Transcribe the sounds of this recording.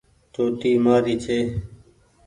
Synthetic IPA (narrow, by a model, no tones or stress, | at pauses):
t̪oːt̪iːmaːɾiːt͡ʃʰeː